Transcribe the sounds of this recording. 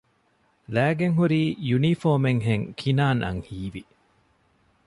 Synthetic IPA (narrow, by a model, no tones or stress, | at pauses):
læːɡeŋɦuɾiːjunifoːmeŋɦeŋkʰinaːnʔɐ̰ŋhiːʋi